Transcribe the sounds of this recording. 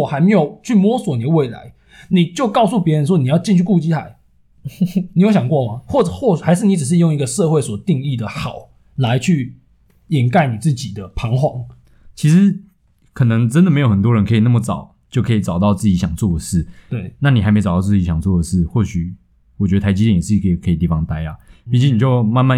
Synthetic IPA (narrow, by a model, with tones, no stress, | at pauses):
ɔ˨˩xa˧˥ɪme˧˥ɪjo˨˩ʊt͡ɕʰy˥˩mwɔ˥swɔ˨˥ni˨˩ə˦we˥˩ɪla̰˧˦ɪ | ni˨˩t͡ɕjo˥˧ʊkɑ˥˧ʊs̬u˥˩pjɛ˧˥ɻə˧˦nʂ̬wɔ˥ni˨˩jɑ˥˧ʊt͡ɕi˥˧nt͡ɕʰy˥˩ku˥˧˨t͡ɕi˥a˨˩˦ɪ | ni˨jɕjɑ˨˩ŋkwɔ˥˩ma˨xwɔ˥˩ʈ͡ʂxwɔ˥˧xa˧˥ɪʂ̬ɻ̩˥˩ni˨˥ʈ͡ʂɻ̩˨˩ʂ̬ɻ̩˥˧jʊ˥˩ŋi˧˥ɡə˧ʂɤ˥˧xwe˥˩ɪswɔ˨˩t̪i˥˧ŋi˥˩d̪ə˨xɑ˨˩˦ʊ | la˧˥ɪt͡ɕʰy˥˩ | ɛ˨˩nka˥˩ɪni˨˩t͡sɹ̩˥˩t͡ɕi˨˩d̪ə˦pʰɑ˧˥ŋxwɑ˥˩ŋ | t͡ɕʰi˧˥ʂɻ̩˧˦ | kʰɤ˨˩nɤ˧˦ŋʈ͡ʂə˦nd̪me˧˥jo˨˩ʊə˨˩t̪wɔ˥ɻə˧˦nkʰɤ˧˥i˨˩na˥˩ə˩t͡sɑ˨˩˦ʊ | t͡ɕjo˥˩ʊkʰɤ˧i˨˩t͡sɑ˨ʊt̪ɑ˥˧ʊt͡sɹ̩˥˩t͡ɕi˧˥ɕjɑ˨˩ŋt͡swɔ˥˩d̪ə˩ʂɻ̩˥˩t̪we˥˩ɪna˥˩ni˨˩a˧˥ɪm˧˥ɑ˨˩t̪ɑ˥ʊ˧t͡s̩˥˩i˧˥ɕjɑ˨˩ŋt͡swɔ˥˩d̪ə˩ʂɻ̩˥˩xwɔ˥˩ɕy˨˩ | wɔ˨˩t͡ɕɥɛ˧˥ə˧˩a˧˥t͡ɕi˥t̪ɛ˥˩n˨˩s̩˥˩i˨kʰi˨kʰɤ˧˥i˨˩t̪̬i˥˩fɑ˦ŋt̪a˥ɪa˨pi˧˥˩t͡ɕi˥ni˨˩t͡ɕjo˥˧ʊma˥˧nma˥˨